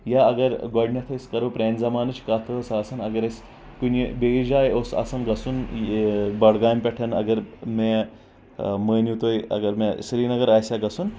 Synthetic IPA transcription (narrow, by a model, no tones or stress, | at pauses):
jaɐɡɐɾɡoɖnʲɐt̪ʰɐsʲkɐɾopɾeːnzɐmaːnɨt͡ʃʰkat̪ʰɐsaːsɐnɐɡɐɾɐsʲ | kunibeid͡ʒaːjoːsɐ̰sɐnɡɐsun | bɐɽɡaːmʲpʲeʈʰɐnɐ̰ɡɐɾme | məːnjut̪oːjɐ̰ɡɐɾmesɾiːnɐɡɐɾaːjsʲjaɡɐsun